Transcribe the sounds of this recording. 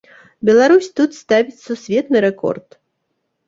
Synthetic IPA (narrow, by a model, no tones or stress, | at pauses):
bʲɛlˠaɾusʲt̪ut̪st̪avʲit͡sʲsusʲvʲɛt̪nɨɾɛkɔ̰rt̪